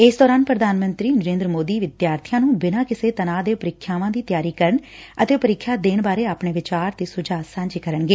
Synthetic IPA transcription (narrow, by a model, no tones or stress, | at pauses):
ɪsd̪ɔːɾaːnpɾəd̪ʱaːnmə̃nt̪ɾiːnəɾẽːnd̪ɾəmoːd̪iːʋɪd̪jaːɾt̪ʰijaːnũːbɪnãːkɪseːt̪ənaːd̪eːpəɾɪkʰːjaːʋãːd̪iːt̪jaːɾiːkəɾəɳ | ət̪eːpəɾɪkʰːjaːd̪eːnbaːɾeːaːpɳeːʋɪt͡ʃaːɾt̪eːsʊd͡ʒaːsãːɲd͡ʒiːkəɾəɳɡeː